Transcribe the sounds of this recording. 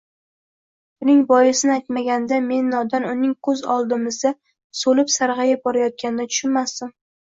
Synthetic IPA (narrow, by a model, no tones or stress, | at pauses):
bʊnɪŋbɒjɪsɪnɪajt̪maɡʲand̪ame̞nːɒd̪anʊnɪŋkʰɵzɒlˠd̪ɪmɪzd̪a | solɪpsaɾʁɑjabɒɾajɒt̪̚kʲanɪd̪at̪ʰʊ̥ʃʊnmasd̪ɪm